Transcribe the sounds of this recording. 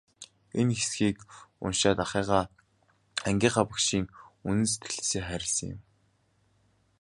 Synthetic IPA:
enxesɡiːkʊ̰nʃaːt̪aχiːʁaː | æŋɡʲiːχapə̆kʃiːŋunɘ̆nse̥t̪ɡɘ̆ɮseːχæːɾʲɪ̆ɮsə̆ŋjɪ̰m

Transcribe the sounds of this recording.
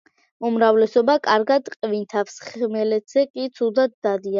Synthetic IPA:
umɾavlɛsɔbakʼaɾɡad̪qʼvint̪ʰafsχmɛlɛt̪ʰz̥ɛkʼit̪sʰud̪ad̪̚d̪ad̪ia

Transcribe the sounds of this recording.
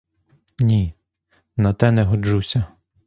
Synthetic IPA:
nʲi | nɐt̪ɛnɛɦɔd͡ʒusʲɐ

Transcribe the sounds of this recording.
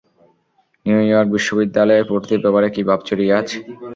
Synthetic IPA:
niujɔɾk̚biʃːobid̪ːalɔepoɾt̪iɾbɛpaɾekibʱabt͡ɕoɾiat͡ɕʰe̥

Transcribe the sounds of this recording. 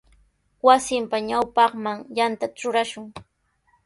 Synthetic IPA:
wasɪmpaɲawpɑχmaŋjant̪aʈ͡ʂʊɾaʃʊŋ

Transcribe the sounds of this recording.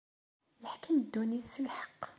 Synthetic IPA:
jəħkəmd̪ːuniθsəlħə̥qː

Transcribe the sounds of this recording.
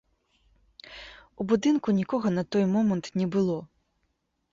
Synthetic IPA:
ubud̪ɨnkunʲikɔɣɐnɐt̪ɔjmɔmɐnt̪nʲɛbɨlˠɔ

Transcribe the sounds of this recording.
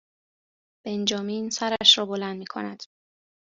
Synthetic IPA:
b̥e̞nd͡ʒɒːmiːnsæɾæʃɾɒːbolænd̪̚miːkʰo̞̰næd̪̥

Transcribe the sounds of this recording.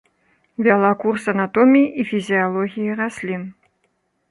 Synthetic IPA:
vʲalˠakursɐnat̪ɔmʲiʔifʲizʲialˠɔɣʲijiɾasʲlʲin

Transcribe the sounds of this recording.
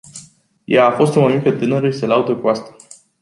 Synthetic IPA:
jaːfo̞st̪omamikət̪ɨnəɾəiselaud̪əkuast̪a

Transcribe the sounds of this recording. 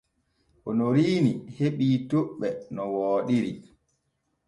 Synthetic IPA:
ʔɔnɔɾiːniheɓiːtoɓːɛnɔwɔːɗiɾi

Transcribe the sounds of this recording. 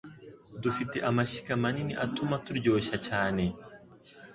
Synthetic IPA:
d̪ufit̪ːiʔɐmɐʃi̥kɐmɐniniʔɐt̪ːʊmɐt̪ʊɾd͡ʒoːʃɐt͡ʃaːne

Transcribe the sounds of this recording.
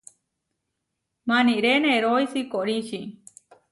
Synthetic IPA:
maniʔɾeneɾojsikoɽit͡ʃi

